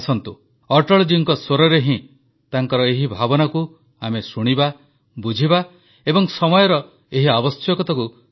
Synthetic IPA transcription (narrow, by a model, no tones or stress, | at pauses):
sʰɔnt̪u | ɔʈɔɭd͡ʒiŋkɔsoɾɔɾeɦĩ | t̪aŋkɔɾɔeɦibʱabɔnaku | amesuɽ̃iba | bud͡ʒʱiba | ebɔŋsɔmɔjɔɾɔ | eɦiabɔsjɔkɔt̪aku